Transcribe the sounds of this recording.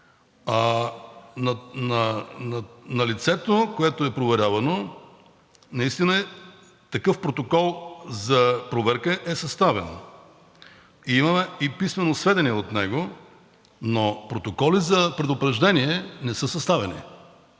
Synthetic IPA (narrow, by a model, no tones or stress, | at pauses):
a | nɐnnɐlit̪sɛt̪okoɛt̪oɛpɾovɛɾʲavɐno | nɐist̪inə | t̪ɐkɤfpɾot̪okɔlˠzɐpɾovɛɾkəʔɛsɐst̪avɛno̰ | iimɐmɛipismɛnosvɛd̪ɛniɛot̪nɛɡo | nopɾot̪okɔlizɐpɾɛd̪opɾɛʒd̪ɛniɛnɛsəsɐst̪avɛnḭ